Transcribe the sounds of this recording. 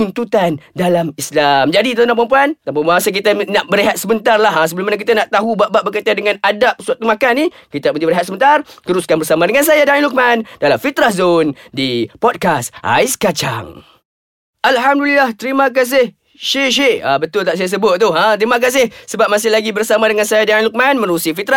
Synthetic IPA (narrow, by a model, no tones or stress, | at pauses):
t̪unt̪ut̪andalamislamd͡ʒadit̪anãʔpamp̬uant̪apumbaɦasak̬it̪ənaʔbəɾiɦat̪̚səmənt̪arlaɦasəbəlumanak̬it̪anaʔt̪aɦubaʔbaʔbəkət̪adəŋãnadap̚suat̪umakanːikit̪apənibəɾɦat̪̚səmənt̪art̪əɾuskanbərsamãdəŋans̬ajadaniluk̚mandalamfit̪ɾahzondipɔd̚kasa̰ɪskat͡ʃa̰ŋ | ʔalɦamdulilaht̪əɾimãk̬as̬ɪh | ʃeʃ̬ea̰bət̪ʊlt̪aʔs̬ajas̬əbʊt̪̚t̪ːʊɦãt̪əɾimãk̬as̬ɪhsəbap̚masɪhlaɡibərsamadəŋansajadailuk̚manmə̃nusifit̪ɾa